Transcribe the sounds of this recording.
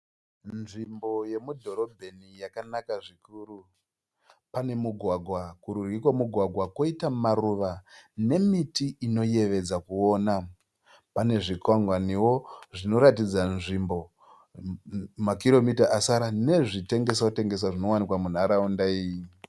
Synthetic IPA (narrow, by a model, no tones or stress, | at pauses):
nʐimbo̞je̞mudʱo̞ɾo̞bʱenijakanakaʐikuːɾu | pane̞muɡʱwaɡʱwakuɾurikwamuɡʱwaɡʱwako̞itamaruʋane̞mitiʔino̞je̞ʋe̞d͡zakuo̞ːna | pane̞ʐikwaŋɡwaniwo̞ʐino̞ɾatid͡zanʐimbo̞ | makiɾo̞mitaʔasaɾane̞ʐite̞ŋɡe̞s̬akute̞ŋɡe̞s̬aʐino̞wanikwamun̤aɾaundaiːji